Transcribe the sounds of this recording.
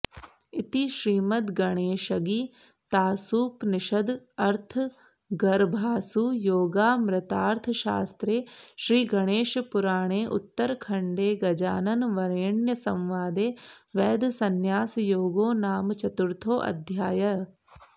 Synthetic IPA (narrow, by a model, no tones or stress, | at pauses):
ɪt̪iʃɾiːmɐt̪ɡɐɽ̃eːʃɐɡiː | t̪aːsuːpnɪʃɐd̪ɐɾt̪ʰ | ɡɐɾbʱaːsuːjoːɡaːmɾɪt̪aːɾt̪ʰəʃaːst̪ɾeːʃɾiːɡɐɽ̃eːʃpʊɾaːɽ̃eːʔʊ̰t̪ːəɾkʰɐɳɖeːɡɐd͡ʒa̰ːnɐnʋɐɾeːɳjɐsɐ̃mʋaːd̪eːʋɛːd̪sɐnjaːsjoːɡoːnaːmt͡ʃɐt̪ʊɾt̪ʰoːʔɐ̰d̪ʱjaːjɐ